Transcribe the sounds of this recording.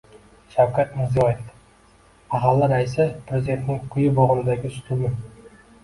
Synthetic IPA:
ʃawkʰat̪mɪɾzijɒjef | aχalːɪɾaɪsɪpʰɾezid̪e̞nt̪nɪŋqʰʊjɪbɒʁɨnɪd̪aɡʲɪsʊ̥t̪ʰumɪ

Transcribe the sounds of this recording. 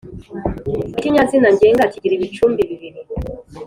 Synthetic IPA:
ekiɲazinaɲɟeŋɡaciɟiɾiβit͡ʃuːmbiβiβiɾi

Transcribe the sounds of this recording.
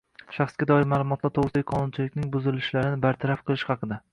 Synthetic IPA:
ʃɑχsɡʲad̪ɒɪɾmaːlˠʊmɒt̪laɾt̪ʰoʁsɪkʲqʰɒnʊnt͡ʃʰɪlɪk̚ʲnɪŋbʊzɪlɪʃlaɾɪnɪbaɾt̪ʰaɾafqʰɨlˠɪʃhɑqɨd̪a

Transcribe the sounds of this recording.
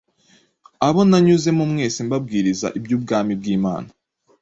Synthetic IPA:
aβo̞naɲuze̞mumŋe̞ːsembab̚ɡiːɾiza̰ʔibjuːb̚ɡaːmib̚ɡiːma̰ːna

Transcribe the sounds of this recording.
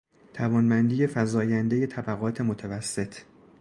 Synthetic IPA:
t̪ʰævɒːnbænd̪iːje̞fæzɒːjænd̪e̞je̞t̪ʰæbæɣɒːt̪ʰe̞mot̪ʰævæsːe̞t̪ʰ

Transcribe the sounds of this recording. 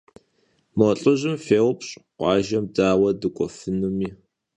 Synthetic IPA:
mɔɬʼɨʑɪmfeːwpʼɕʼqʷɑːʒɐmdaːwɐdɨkʷʼɔfɨnumiː

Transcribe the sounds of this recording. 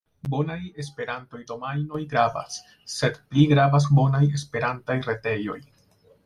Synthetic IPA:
bo̞naje̞spe̞ɾanto̞jdo̞majno̞jɡɾava̰sː | e̞dpliɡɾavas̬bo̞naje̞spe̞ɾantajɾe̞te̞jo̞̰j

